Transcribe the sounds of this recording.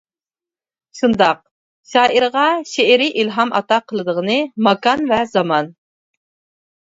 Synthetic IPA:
ʃund̪ɑq̚ | ʃɑːʔiɾʁɑʃeɾɪʔilɦɑmɑ̰t̪ɑqʰəlˠɨd̪əʁənɨmɑkɑnvɛzɑmɑn

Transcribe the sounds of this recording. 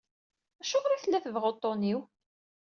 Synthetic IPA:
æʃʊkɾiθəlːæθəvʁot̪ˤːoniw

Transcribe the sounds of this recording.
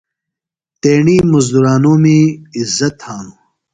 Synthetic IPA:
t̪eːɳiːmuzd̪uɾaːnoːmiːzːɐt̪haːnu

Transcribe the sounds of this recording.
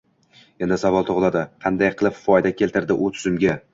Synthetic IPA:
end̪ɪsavɒlˠt̪ʰoʁlˠad̪ɪqʰɑnd̪ajqʰɨlˠɪpffɒjd̪akʲʰe̞lʲt̪ɪɾd̪ɪʔʊt̪ʰʊ̥zɪmɡʲa

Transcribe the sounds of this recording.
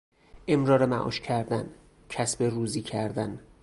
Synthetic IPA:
ʔemɾɒːɾemæʔɒ̰ːʃcʰæɾd̪æn | cʰæsberuːziːcʰæɾd̪æn

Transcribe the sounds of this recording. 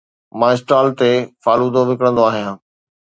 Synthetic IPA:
mãːɪsʈaːlt̪efaːluːd̪oʋɪkəɽə̃nd̪oaːɦijãː

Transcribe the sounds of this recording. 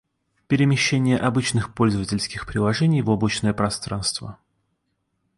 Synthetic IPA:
pʲɪɾʲɪmʲɪɕːenʲɪjəʔɐbɨt͡ɕnɨxpo̞lʲzəvətʲɪlʲskʲɪxpɾʲɪlˠɐʐɛnʲɪjvoblˠət͡ɕnəjəpɾɐst̪ɾanst̪və̰

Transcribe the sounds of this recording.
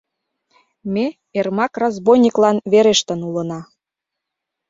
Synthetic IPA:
me | ermɑkrɑzbojnʲiklɑnβeɾeʃt̪ə̆nulə̆nɑ

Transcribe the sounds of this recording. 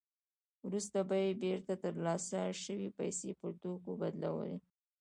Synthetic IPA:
wɾust̪abɑjebeɾt̪at̪əɾlɑsaʃəwipajsepəɾʈ̪okobad̪la̰wə̰lḭ

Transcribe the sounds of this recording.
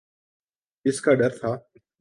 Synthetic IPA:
ɪskaːɖəɾt̪ʰaː

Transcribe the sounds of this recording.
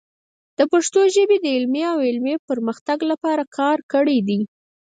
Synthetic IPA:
d̪̥əpaʂt̪oʒəbed̪əɪlmeawɪlmepəɾməxt̪aɡlapɑɾakʰɑɾkəɽed̪i

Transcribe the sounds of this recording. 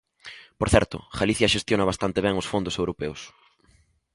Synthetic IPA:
poɾθɛ̰ɾt̪ʊ̰ʝaliθjɐʃest̪jonɐβast̪ant̪eβɛŋʊsfond̪ʊsewɾopɛʊs

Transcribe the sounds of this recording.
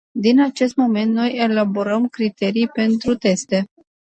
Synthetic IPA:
d̪inat͡ʃe̞st̪mo̞me̞nt̪no̞je̞labo̞ɾəmkɾit̪e̞ɾijpe̞nt̪ɾut̪e̞st̪e̞

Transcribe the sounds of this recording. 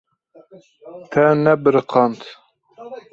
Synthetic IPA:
t̪ʰɛnɛbɨɾɨqʰɑnt̪

